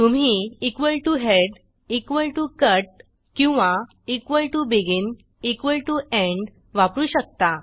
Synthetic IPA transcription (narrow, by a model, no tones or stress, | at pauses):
t̪um̤iikʋəlʈuɦeɽ | ikʋəlʈukəʈ̚ | kĩw̃ʋa | ikʋəlʈubiɡin | ikʋəlʈueɳɖ | ʋapɾuːɕək̚t̪a